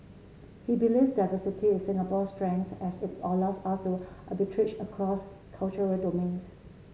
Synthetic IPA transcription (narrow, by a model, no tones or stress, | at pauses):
hibilifsdaɪvəsitʰiɪ̃nsɪ̃ŋapɔstɹɛ̃ŋkθɛsɪtɔlɔsastuʔabɪtʰɹɪt͡ʃəkʰɹɔs | kʰalt͡ʃəɹəldomẽns